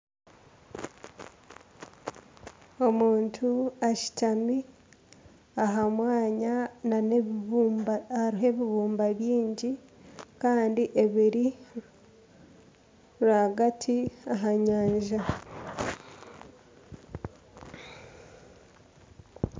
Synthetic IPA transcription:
o̞muːntʰuaʃi̥tami | aɦamwaːɲanane | haɾiɦe̞βiβuːmbaβjiːɲɟi | kaːndiʔe̞βiɾi | ɾaɡatʰiaɦaɲaːɲʒa

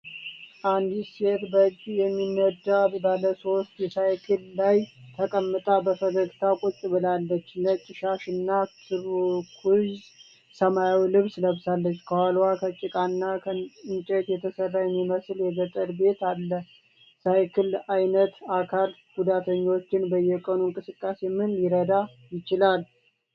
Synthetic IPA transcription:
ʔand̪set̪bəd͡ʒːjɛmːinːəd̪abbaləso̞st̪jɛsajkʰɨlːajt̪ʰəkʼəmːɨt̪ʼabəfəzəkt̪ʰakʼut͡ʃʼbɨlalːət͡ʃːlət͡ʃʼɪʃaʃɨnːasɨɾkʰuz | səmajawilɨβsləβsalːət͡ʃːkʰəwalwakʰət͡ʃʼɪkʼanːakʰəɨɲt͡ʃʼet̪jɛt̪ʰəsərːajɛmːiməsljɛɡət̪ʼəɾbe̞t̪alːə | sajkʰɨlajnət̪akʰalɡud̪at̪ʰəɲːo̞t͡ʃːɪnbəjɛkʼənuɨŋkʼɨsɨkʼːase̞mɨnjɪɾəd̪a | jɪt͡ʃɪlal

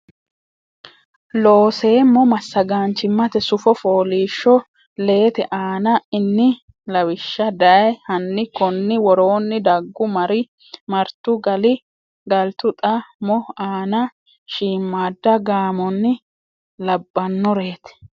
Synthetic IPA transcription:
loːse̞ːmːɔmɐsːɐɡaːnt͡ʃɪmːɐt̪ɛsʊfɔfo̞ːliːʃːɔ | le̞ːt̪ɛʔaːnɐɪnːɪ | lɐwɪʃːɐd̪ɐjhɐnːɪkɔnːɪwɔɾo̞ːnːɪd̪ɐɡːʊmɐɾɪ | mɐɾt̪ʊɡɐlɪ | ɡɐlt̪ʊt̪ʼɐmɔaːnɐ | ʃiːmːaːd̪ːɐɡaːmɔnːɪ | lɐbːɐnːɔɾe̞ːt̪ɛ̥

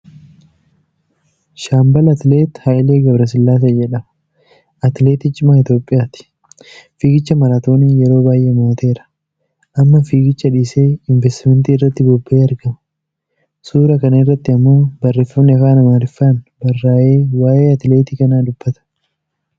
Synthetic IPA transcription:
ʃaːmbɐlɐt̪le̞ːt̪hajle̞ːɡɐbɾɐs̬ɪlːaːs̬ɐd͡ʒɛᶑɐmɐ̥ | ɐt̪le̞ːt̪ɪt͡ʃʼɪmɐɪt̪jo̞ːpʼːɪjaːt̪ɪ̥ | fiːɡɪt͡ʃːɐmɐɾaːt̪o̞ːniːjɛɾo̞ːbaːjʔeːmoːt̪e̞ːɾɐ̥ | ʔɐmːɐfiːɡɪt͡ʃːɐᶑiːse̞ːɪɱvɛst̪ɪmɛnt̪iːɪrːɐt̪ːɪbɔbːe̞ːɐɾɡɐmɐ | suːɾɐkɐnɐɪrːɐt̪ːɪɐmːuːbɐrːe̞ːfːɐmnɛkaːnɐmaːɾɪfːaːnbɐrːaːʔe̞ːwaːʔe̞ːɐt̪le̞ːt̪iːkɐnaːd̪ʊbːɐt̪ɐ̥

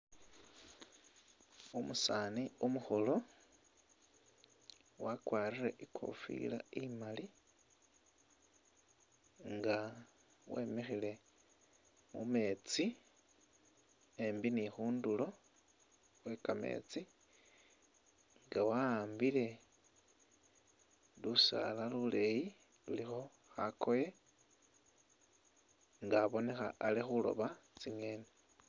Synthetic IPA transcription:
umusaniumuxolo̞ | wakwaːrireʔikʰo̞̰fḭla̰imali | ŋɡa | wemexile̞ | mume̞t͡si | embinixuːndulo̞ | xwe̞kame̞̰t͡si | ŋɡawaːmbile̞ | lusa̰lalule̞ji | lulixo̞ | xakʰo̞je | ŋɡaβo̞ne̞xaːlixulo̞̰βat͡siŋe̞ne

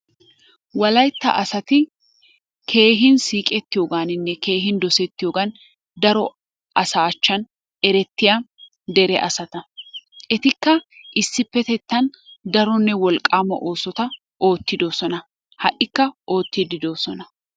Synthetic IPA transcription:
wɐlɐjt̪ːɐ̰ʔɐsɐt̪ɪ | kʰe̞ːɦɪnsiːkʼɛt̪ːɪjoːɡaːnɪnːɛkeːɦɪnd̪ɔsɛt̪ːɪjoːɡɐn | d̪ɐɾɔ | ʔɐsaːt͡ʃːɐn | ɛɾɛt̪ːɪjɐ | d̪ɛɾɛʔɐ̰sɐt̪ɐɛt̪ɪkːɐʔɪsːɪpːɛt̪ɛt̪ːɐnd̪ɐɾɔnːɛwɔlkʼːaːmɐ̰ʔo̞ːsɔt̪ɐ | ʔo̞ːt̪ːɪd̪o̞ːsɔnɐ | hɐʔɪkːɐʔo̞ːt̪ːɪd̪ɪd̪o̞ːsɔnɐ

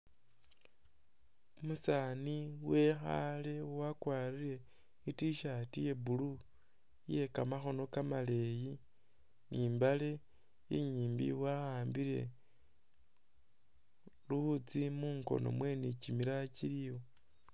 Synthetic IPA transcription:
musaːniwe̞xa̰le̞wakwaːɾiɾe̞ | itiʃatije̞bulu | je̞kamaxo̞no̞kamale̞ji | nʔiːmbale̞ | jḛɲiːmbḭwahaːmbiɾe̞̰ | luβut͡simuːŋko̞̰no̞̰mwe̞nicimiɾaciɾiwo

